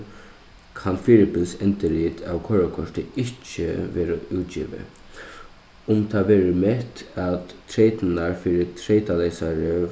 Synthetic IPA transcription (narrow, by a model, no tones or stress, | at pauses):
kʰɑnfiːɾɪpɪlsɛnt̪əliːt̪ʰa̰ʋkʰɔɹakʰɔʂt̪əɪt͡ʃːə̰ʋeːɾə̰ʉːt̪̚ḭːʋə̰ | ʊmt̪ʰɑːʋeːɾəmɛt̪at̪ʰːɾeɪt̪naɹfiːɾət̪ʰɾeɪt̪aleɪsaɹə